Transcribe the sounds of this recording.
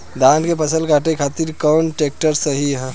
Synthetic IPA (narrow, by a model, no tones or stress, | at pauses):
d̪ankepəsəlkaʈekʰat̪iɾkɔːnʈek̚ʈəɾsəɦiɦ